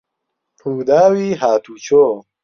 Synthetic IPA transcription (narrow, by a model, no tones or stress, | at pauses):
pʰuːd̪aːwiːɦaːt̪ʰut͡ɕoː